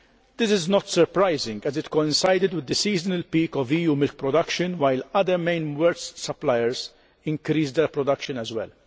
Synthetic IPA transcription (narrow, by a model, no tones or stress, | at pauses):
d̪̥ɪsɪznɔt̪sɛɾpɾajzɪ̃ŋɡɛzɪt̪kɔɪ̃nsajd̪ɪd̪wɪd̪ːəsiːzənɐlpiːkɔviːjuːmɪlk̚pɾɔd̪ɐkʃə̃nwajlɐd̪əɾmẽɪ̃nwɛɾt̪sɐplajɛɾz | ɪ̃ŋkɾiːzd̪ɛɾpɾɔd̪ɐkʃə̃nɛzwɛ̰l